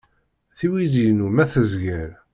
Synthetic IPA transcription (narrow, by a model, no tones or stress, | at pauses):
θiwizinumæθəzɡəɾ